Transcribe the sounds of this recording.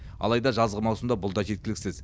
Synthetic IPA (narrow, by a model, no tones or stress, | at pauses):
ɑ̰lˠɑjd̪ɑʒɑzʁəmɑwsəmd̪ɑbʊlˠd̪ɑʒe̞t̪̚kʲɪlɪkʲsɪz